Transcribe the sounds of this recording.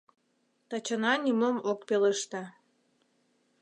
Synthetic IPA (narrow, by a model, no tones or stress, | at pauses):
t̪ɑt͡ɕə̆nɑnʲimomokpeləʃt̪ɑ